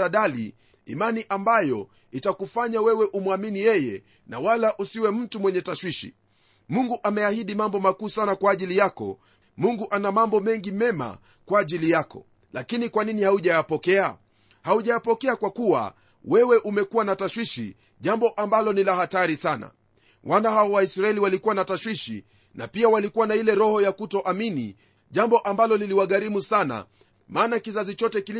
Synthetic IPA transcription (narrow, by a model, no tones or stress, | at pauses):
aɗalḭ | ḭmaniʔambajɔ | itakufaɲawɛwɛʔumwaminijɛjɛ̰ | na̰walaʔusiwɛm̩tumwɛɲɛtaʃwiʃḭ | muŋɡuʔamɛahiɗimambɔmakuːsanakwaːʄilijakɔ̰ | muŋɡuʔanamambɔmɛŋɡimɛma̰ | kwaːʄilijakɔ̰ | lakinikwaninihauʄaapɔkɛa | hauʄaapɔkɛakwakuwa̰ | wɛwɛʔumɛkuwanataʃwiʃḭ | ʄambɔʔambalɔnilahataɾisana̰ | wanaɦaɔwaisɾaɛliwalikuwanataʃwiʃḭ | na̰piawalikuwanailɛɾɔhɔjakutɔʔaminḭ | ʄambɔʔambalɔniliwaɠaɾimusana̰ | maːnakizazit͡ʃɔtɛki